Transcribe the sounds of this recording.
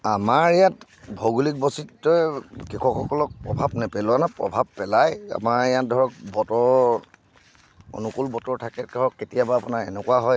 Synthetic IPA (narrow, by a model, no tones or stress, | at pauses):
amaɹijat | bʱɔɡulik̚bɔsitːɔjkikʰɔkxɔkɔlɔk̚pɹɔbʱabnɛpɛlɔanapɹɔ̰bʱab̚pɛlaja̰maɹijat̚dʱɔɹɔk̚bɔtɔɹ | o̰nukulbɔtɔɹtʰakɛdʱɔɹɔkːetijabaːpunaɹɛnɛkuaɦɔj